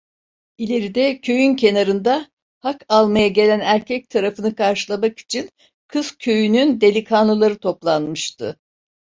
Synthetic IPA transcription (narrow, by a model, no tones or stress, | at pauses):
ilʲe̞ɾid̪ɛcʰø̞jyncʰe̞naɾɯnd̪a | hakalˠmajaɟe̞lʲænæɾcʰɛc̚t̪ʰaɾafɯnɯkʰaɾʃɯlˠamaki̥t͡ʃʰin | kʰɯzcʰø̞jynynd̪e̞lʲikʰanlulˠaɾɯt̪ʰo̞plˠanmɯʃt̪ʰɯ̰